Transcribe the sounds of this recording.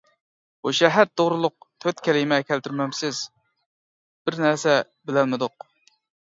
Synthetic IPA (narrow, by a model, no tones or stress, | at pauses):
buʃɛɦæɾt̪ʰoʁɾɨlˠʊq̚t̪ʰøt̪kʲʰɛlɪmɛkʲʰɛlt̪yɾmɛmsɪz̥ | b̥ɪɾnæɾsɛ | bɪlɛlmɪd̪ʊq̚